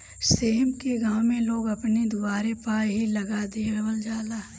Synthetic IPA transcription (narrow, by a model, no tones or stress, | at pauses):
seːmkeɡãːwmẽloːɡɐpned̪ʊbaːɾepaːjɦilɐɡad̪ieɾɐbəld͡ʒaːlaː